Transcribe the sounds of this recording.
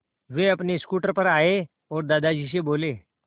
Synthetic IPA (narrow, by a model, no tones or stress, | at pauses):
ʋeəpneskuʈəɾpəɾaɦe | ɔɾd̪ad̪ad͡ʑʱiɕ̬ebole